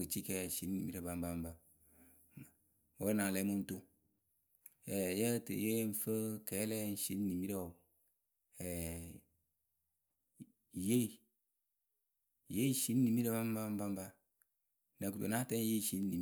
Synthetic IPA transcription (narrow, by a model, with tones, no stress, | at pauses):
ɨ˨t͡ʃi˦kɛ˦˨ʃi˨˦n˦ni˨mi˦ɾə˨ba˨m˦ba˦m˦ba˨ | o˦na˨lɛ˨˦mu˦n̩˦to˦ | ɛ˨jə˦tje˦n̩˦fə˦kɛ˨˦lɛ˦n̩˦ʃi˦n˦ni˨mi˦ɾɛ˦o˨ | ɛ˨ | je˦˨ | je˦i˦ʃi˦n˦ni˨mi˦ɾe˨ba˦m˦ba˦m˦ba˦m˦ba˦ | nɛ˨ku˨to̰˨na˦tɛ˦n˦je˦˨ʃi˨n˦ni˨